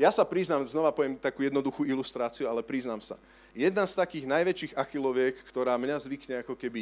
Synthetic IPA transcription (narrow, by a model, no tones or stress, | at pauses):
jasapɾiznamznɔʋapɔʋɛmt̪akuːjɛd̪nɔd̪uxuːilust̪ɾaːt͡siualɛpɾiznamsa̰ | jɛd̪nast̪akiːɣnajʋɛt͡ʃiːɣaxilɔʋjɛkːt̪ɔɾaːmɲazʋikɲɛakɔkɛbi